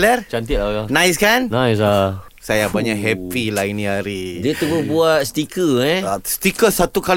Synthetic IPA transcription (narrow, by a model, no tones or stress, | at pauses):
lərt͡ʃant̪ɪt̪̚laanãjs̬kannãjs̬a | sajabaɲaʔɦɛpilainĩaɾidət̪ubəbuat̪̚st̪ikəɛst̪ikəsat̪ukal